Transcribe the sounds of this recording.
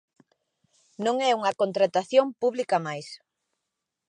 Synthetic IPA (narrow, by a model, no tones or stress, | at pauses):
nõŋɛuŋɐkont̪ɾat̪aθjompuβlikɐmajs